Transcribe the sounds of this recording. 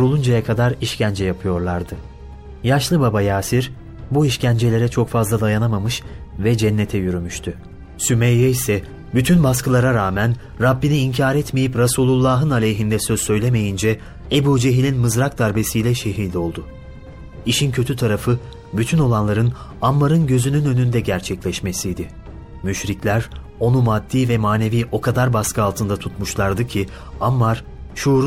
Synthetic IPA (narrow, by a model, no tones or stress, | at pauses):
oɾulˠund͡ʒajakʰad̪aɾiʃcænd͡ʒɛjapʰɯjo̞ɾlˠaɾd̪ɯ | jaʃlˠɯbabajaːsiɾ | buiʃcænd͡ʒe̞lʲe̞ɾɛt͡ʃʰo̞kfazlˠad̪ajanamamɯʃvɛd͡ʒɛnːet̪ʰɛjyɾymyʃt̪ʰy | symejːejisɛ | byt̪ʰynbaskɯlˠaɾaɾaːmæn | ɾabːiniːɲcʰaːɾɛt̪me̞jipɾasuːlˠulˠːaɦɯnalʲejɦind̪ɛsøzsø̞jlʲe̞me̞jind͡ʒɛ | ebuːd͡ʒeɦilʲinmɯzɾak̚d̪aɾbe̞sijlʲɛʃe̞ɦiːd̪ʲo̞lˠd̪ʊ | iʃincʰø̞t̪ʰyt̪ʰaɾafɯ | byt̪ʰyno̞lˠanlˠaɾɯnamːaɾɯnɟø̞zynynø̞nynd̪ɛɟæɾt͡ʃʰɛclʲɛʃmesijd̪ɪ | myʃɾiclʲæɾ | o̞numad̪ːiːvɛmaːne̞viːʔo̞kʰad̪aɾbaskʰɯalˠt̪ʰɯnd̪at̪ʰut̪muʃlˠaɾd̪ɯcʰi | amːaɾ̥ | ʃuɾ